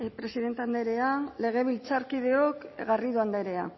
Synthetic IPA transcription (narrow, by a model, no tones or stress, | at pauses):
pɾe̞siðe̞nt̪eand̪e̞ɾe̞ale̞ɣ̞e̞β̞ilt͡saɾkiðe̞o̞kɣariðuand̪eɾe̞a̰